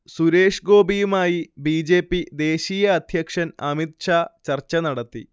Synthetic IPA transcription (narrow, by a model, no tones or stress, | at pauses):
suɾe̞ːʂɡo̞ːbijumaːjibiːd͡ʑe̞ːpːid̪e̞ːɕiːjɐːd̪ʱjɐkʂɐnɐmit̪̚ʂaːt͡ɕɐrt͡ɕːɐnɐɽɐt̪ːḭ